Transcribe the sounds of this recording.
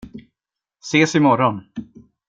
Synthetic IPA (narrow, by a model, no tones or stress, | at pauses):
seːsɪmɔɾɔn